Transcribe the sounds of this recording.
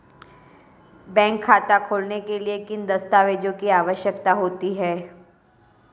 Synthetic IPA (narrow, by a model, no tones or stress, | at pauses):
bɛ̃ːŋkʰːaːt̪akʰoːlnekeliekɪnd̪ɐst̪aːʋeːd͡ʒõkiaːʋəʃjəkt̪aɦoːt̪iɦɛː